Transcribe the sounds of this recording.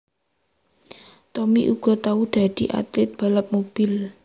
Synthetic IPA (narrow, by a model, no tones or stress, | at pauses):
t̪ɔmiʔṵɡ̥ɔ̤t̪aud̪̥a̤d̪̥i̤ʔa̰t̪lɪt̪̚b̥a̤ləp̚mob̥ɪl